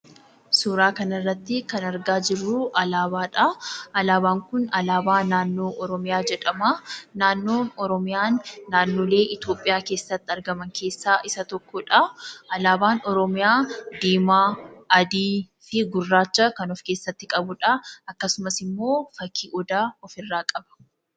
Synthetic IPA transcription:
suːɾaːkɐnɐrːɐt̪ːɪkɐnɐɾɡaːd͡ʒɪrːʊʔɐlaːbaːᶑɐʔɐlaːbaːŋkʊnɐlaːbaːnaːnːo̞ːʔɔɾɔmɪjaːd͡ʒɛᶑɐmɐnaːnːo̞ːnɔɾɔmɪjaːnːaːnːo̞ːle̞ːʔɪt̪jo̞ːpʼːɪjaːke̞ːsːɐt̪ːɪɐɾɡɐmɐŋkʰe̞ːsːaːʔɪsɐt̪ɔkːɔᶑɐʔɐlaːbaːnɔɾɔmɪjaːd̪iːmaːɐd̪iː | fɪɡʊrːaːt͡ʃːɐkɐnɔfke̞ːsːɐt̪ːɪkʼɐbʊᶑɐɐkːɐsʊmɐsɪmːo̞ːfɐkʰːiːʔɔd̪aːɔfɪrːaːkʼɐbɐ̥

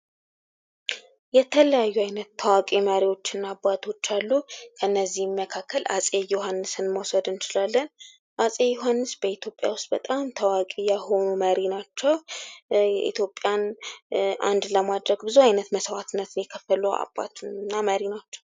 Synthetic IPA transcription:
jɛt̪ʰələjajːuajnət̪ʰːəwakʼeməɾiwo̞t͡ʃːɪnːabːat̪ʰo̞t͡ʃːalːukʰənːəzːihməkʰakʰːəlʔa̰sʼejoɦanːɨsɨnmosəd̪ɨnt͡ʃɪlalːən | ʔasʼejːuɦanːɨsbəit̪ʰjo̞pʼja̰wʊst̪ʼbət̪ʼamt̪ʰəwakʼijaho̞numəɾinat͡ʃːɛw | ɛʔḭt̪ʰjo̞pʼːjan | ʔa̰nd̪ləmad̪ɾəɡbɨzuajnət̪məswat̪ʰɨnːət̪ɨnjɛkʰəfːəlua̰ba̰t̪ʰnːaməɾinat͡ʃːɛ̥w

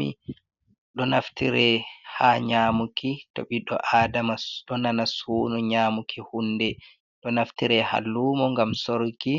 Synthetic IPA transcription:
ḭ | ɗɔnaftiɾɛhaːɲaːmukito̰ɓiɗɔ̰ʔaːdamaɗɔnanasuːnɔɲaːmukʰihundɛ | ɗɔnaftiɾɛha̰lːumɔŋɡamsoɾki

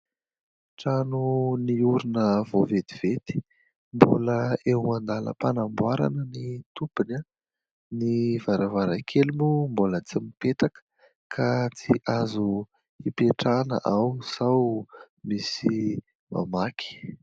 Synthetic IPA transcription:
ʈ͡ʂanuniuɾunəvoved̪iv̥et̪i̥ | mbo̰ləewmand̪alə̰panambwaɾa̰nənit̪upuna | nivaɾavaɾakʰelumumbolət͡simipet̪akə̥ | kʰat͡siʔazu | ipeʈ͡ʂanə̰ʔawsaw | misi | ma̰makʰi̥

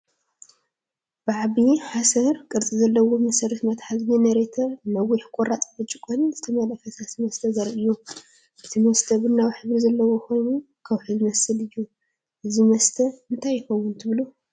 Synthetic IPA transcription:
bɨʕaβiħasɐɾkʼɨɾt͡sʼizɐlːɐwomɐsɐɾɐt̪mɐt̪ħazjinɐɾet̪ʰɐnɐwiħkʼoɾat͡s̪ʼbɨt͡ʃʼːɨkʼonz̥ɨt̪ʰɐmalɐfɐsasimɐst̪ʰɐzɐɾʔɨjːu | ʔɨt̪ʰimɐst̪ʰɐbɨnːawħɨβɾizɐlːɐwokʰo̞jnu | kʰawħɨzmɐsɨlɨjːu | ʔɨzimɐst̪ʰɐɨnt̪ʰajːɪxɐwːʊnt̪ʰɨβlu

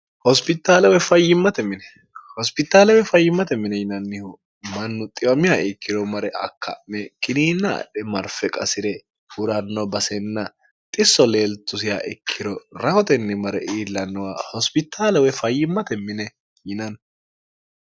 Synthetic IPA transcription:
hɔspɪt̪ːaːlɛwɛfɐjːɪmːɐt̪ɛmɪnɛ | hɔspɪt̪ːaːlɛwɛfɐjːɪmːɐt̪ɛmːɪnɛjɪnɐnːɪhʊ | mɐnːʊt̪ʼɪjɔmɪjaɪkʰːɪɾɔmɐɾɛʔɐ̰kːɐ̰ʔmɛkʼɪniːnːɐ̰ːɗɛmɐɾfɛkʼɐsɪɾɛ | hʊɾɐnːɔbɐsɛnːɐ | t̪ʼɪsːɔleːlt̪ːʊsɪja̰ʔɪ̰kʰːɪɾɔɾɐhɔt̪ɛnːɪmɐɾɛʔiːlːɐnːɔwahɔspɪt̪ʰːaːlɛwɛfɐjːɪmːɐt̪ɛmːɪnɛ | jɪnɐn

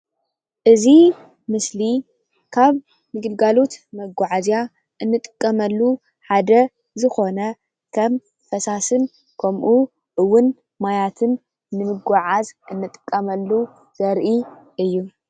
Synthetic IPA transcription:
ʔɨzi | mɨsli | kʰaβ | mɨɡɨlɡalo̞t̪mɐɡʷaʕazja | ʔɨnːɨt̪ʼɨ̥kʼːɐmɐlːu | ħad̪ɐ | zɨxo̞nɐ | kʰɐm | fɐsasɨn | kʰɐmʔu | ʔɨwːʊn | majat̪ʰɨnː | ɨmɨɡʷaʕazʔɨnːɨt̪ʼɨ̥kʼːɐmɐlːu | z̥ɐɾʔi | ʔɨjːu

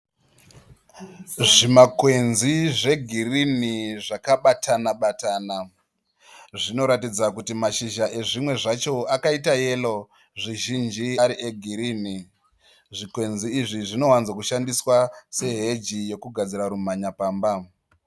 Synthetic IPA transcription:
ʐimakwe̞nziʐe̞ɡʱiriniʐakaɓatʰanaɓataːna | ʐino̞ɾatid͡zakutimaʃiʒaʔe̞ʐimwe̞ʐat͡ʃo̞akaitaje̞lo | ʐiʒind͡ʒiaɾiʔeɡʱiɾiːni | ʐikwe̞nziːʐiʐino̞wanzwakuʃandiswase̞ɦe̞d͡ʒijo̞kuɡʱad͡ziɾaɾum̤aɲapaːmba

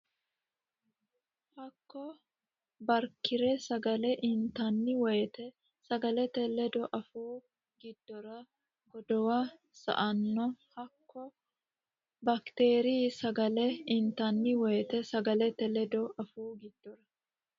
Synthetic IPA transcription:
hɐkːɔ | bɐɾkːɪɾɛsɐɡɐlɛʔɪnt̪ɐnːɪwɔjɛt̪ɛ | sɐɡɐlɛt̪ɛlɛd̪ɔʔɐfuː | ɡɪd̪̥ːɔɾɐ | ɡ̥ɔd̪ɔwa | sɐ̰ʔɐnːɔhɐkːɔ | bɐkt̪eːɾisɐɡɐlɛɪnt̪ɐnːɪwɔjɛt̪ɛsɐɡɐlɛt̪ɛlɛd̪ɔɐfuːɡɪd̪̥ːɔɾɐ

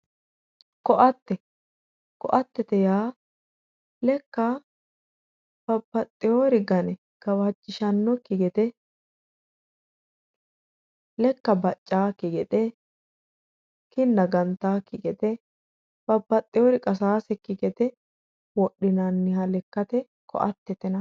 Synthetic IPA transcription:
kɔʔɐt̪ːɛ | kɔʔɐt̪ːɛt̪ɛjaː | lɛkːɐ | b̥ɐbːɐt̪ʼːɪjoːɾɪɡɐnɛ | ɡ̥ɐwɐd͡ʒːɪʃɐnːɔkːɪɡɛt̪ɛ | lɛkːɐbɐt͡ʃʼːaːkːɪɡɛt̪ʼɛ | kɪnːɐɡɐnt̪ːaːkːɪɡɛt̪ɛ | b̥ɐbːɐt̪ʼːɪjɔɾɪkʼɐsaːsɛkːɪɡɛt̪ɛ | wɔɗːɪnɐnːɪhɐlɛkːɐt̪ɛ | kɔ̰ʔɐt̪ːɛt̪ɛnɐ

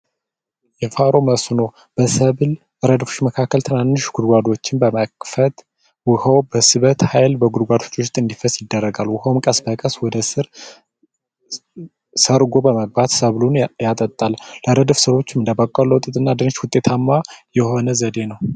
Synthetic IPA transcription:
jɛfaɾo̞məsno̞ | b̥əsəβl | ʔɨɾəd̪fu̥ʃməkʰakːəlt̪ʰɨnanːɨʃɡ̥ud̪ɡʷad̪o̞t͡ʃːɪnbəməkfət̪ | wʊhəwbəsɨβət̪hajlbəɡud̪ɡʷad̪o̞t͡ʃːoʃt̪ʼɨnd̪ifəsjɪd̪ːərːəɡalwʊhəwmkʼəsbəkʼəswɔd̪əsɨɾ | səɾɡo̞bəməɡ̚bat̪səβlunjat̪ʼət̪ʼːalləɾəd̪fsɨɾo̞t͡ʃːɪmɨnd̪əbakʼolowt̪ʼɨt̪ʼɨnːad̪ɨnʃwʊt̪ʼːe̞t̪ʰamːajɛho̞nəzəd̪e̞nəw

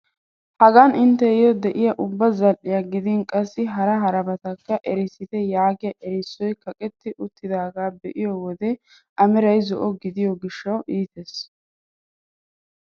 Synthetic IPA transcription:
hɐɡɐnʔɪnt̪ːɛɪjɔd̪ɛʔɪjɐʔʊbːɐzɐlʔɪjɐɡɪd̪ɪŋkʼɐsːɪɦɐɾɐɦɐɾɐbɐt̪ɐkːɐʔɛɾɪsɪt̪ɛjaːɡɪjɐʔɛɾɪsːɔjkɐkʼɛt̪ːɪʔʊt̪ːɪd̪aːɡaːbɛʔɪjɔwɔd̪ɛ | ʔɐmɛɾɐjzɔʔɔɡɪd̪ɪjɔɡɪʃːɐwʔiːt̪es

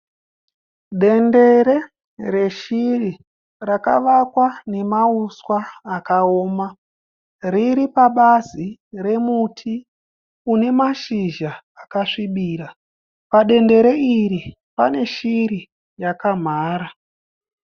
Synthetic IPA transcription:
ɗe̞nde̞ɾe̞ | re̞ʃiri | raka̰ʋakwane̞mauswaːkaoːma | riɾipaɓazire̞mutʰi | une̞maʃiʒaː | kaʂiɓiːɾa | paɗe̞nde̞ɾe̞iri | pa̰ne̞ʃiɾi | jakam̤aːɾa

